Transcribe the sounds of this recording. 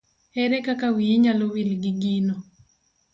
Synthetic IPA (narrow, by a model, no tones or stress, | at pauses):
ɛɾɛkakawiiɲalowilɡiɡino